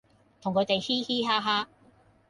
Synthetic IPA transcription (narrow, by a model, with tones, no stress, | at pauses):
t̪ʰʊ˨ŋkʰɵ˨˧ɥt̪e˨jhiː˥hiː˥ɦaː˥ɦaː˥